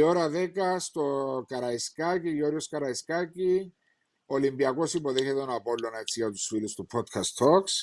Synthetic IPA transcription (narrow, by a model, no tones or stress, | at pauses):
ioɾɐðe̞kɐst̪okɐɾɐiskaciʝoɾjoskɐɾɐiskaci | olimbiɐko̞sipo̞ðe̞çet̪onɐpo̞lːone̞t͡sːijɐt̪u̥sfilust̪upʰot̪kʰɐst̪ʰo̞ks